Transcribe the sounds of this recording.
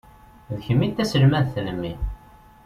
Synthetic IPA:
ðçəmːit̪ːæsəlmæðθələmːi

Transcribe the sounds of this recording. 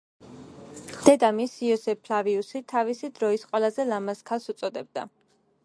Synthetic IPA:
d̪̥ɛd̪amisiɔsɛpʰlaviusit̪ʰavisid̪ɾɔisqʼwɛlˠazɛlamaskʰalˠsut̪sʼɔd̪ɛb̚d̪a̰

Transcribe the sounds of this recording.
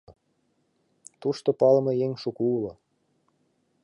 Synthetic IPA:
t̪uʃt̪opɑlmɤjeŋʃukuulo

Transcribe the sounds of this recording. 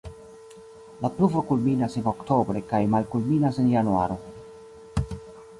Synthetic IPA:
lapluvokulminaseno̞kt̪o̞bɾe̞kajmalkulminasenjanua̰ɾo̞

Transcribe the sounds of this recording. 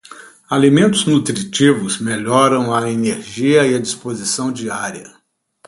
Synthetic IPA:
alimẽnt̪ʊznut̪ɾit͡ʃivʊzmeʎɔɾɐ̃w̃ɐeneɾʒiɐiɐd͡ʒispozisɐ̃w̃d͡ʒiaɾiɐ̰

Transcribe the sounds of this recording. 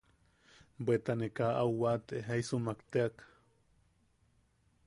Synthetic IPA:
bʷet̪anekaʔawwat̪eɦaisumakt̪eak

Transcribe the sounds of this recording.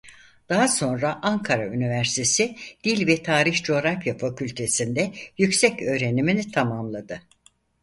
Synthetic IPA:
d̪̥aɦaso̞nɾaʔaŋkʰaɾaynivæɾst̪ʰe̞sid̪̥ilʲvɛt̪ʰaːɾiçd͡ʒeoɾafjafacʰylʲt̪ʰe̞sind̪ɛjycsɛcø̞ːɾe̞niminit̪ʰamamlˠad̪ɯ

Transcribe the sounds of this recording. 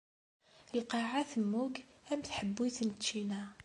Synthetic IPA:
əlqɑʕaθəmːuɡæmθħəbːiθnt͡ʃːinæ

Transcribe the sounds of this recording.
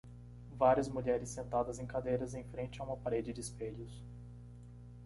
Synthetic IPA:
vaɾiɐzmuʎɛɾɪsːẽnt̪ad̪ɐzẽj̃kad̪ejɾɐzẽj̃fɾẽnt͡ʃɪɐũmɐpaɾed͡ʒɪd͡ʒɪspeʎʊs

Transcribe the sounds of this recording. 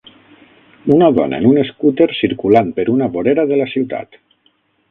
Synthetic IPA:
unaðɔ̰nʔa̰ḛnuneskut̪eɾsiɾkulanpeɾunaβoɾeɾaðelasiwt̪a̰t̪

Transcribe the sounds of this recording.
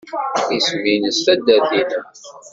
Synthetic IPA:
isminəstæd̪æðinəm

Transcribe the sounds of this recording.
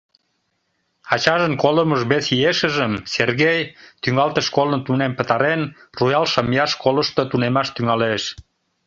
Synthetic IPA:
ɑt͡ɕɑʒənkoləməʒβesieʃəʒəmserɣejt̪yŋɑlt̪əʃkolənt̪unempə̆t̪ɑɾen | rujɑlʃəmjɑʃkoləʃt̪ət̪unemɑʃt̪yŋɑleʃ

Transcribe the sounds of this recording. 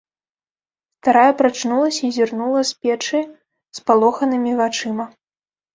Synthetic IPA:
st̪aɾajɛpɾat͡ʂnulˠɐsʲɐizʲirnulˠɐspʲɛt͡ʂɨj | spalˠɔxɐnɨmʲivat͡ʂɨmɐ

